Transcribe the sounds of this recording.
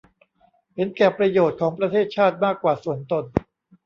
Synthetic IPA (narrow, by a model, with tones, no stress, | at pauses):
he˩˦nkɛː˨˩pɾa˧joː˨˩t̪̚kʰɔː˩˦ŋpɾa˧t̪ʰeː˥˩t̪̚t͡ɕʰaː˥˩t̪̚maː˥˩kːwaː˨˩su˨˩ənt̪o˧n